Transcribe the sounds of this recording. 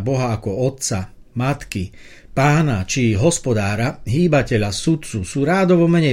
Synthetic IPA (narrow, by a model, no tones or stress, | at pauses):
bɔɦaːkɔɔt̪sa | mat̪ki | paːnat͡ʃiɦɔspɔd̪aːɾaɦiːbacɛʎasut̪t͡susuːɾaːd̪ɔʋɔmɛɲɛ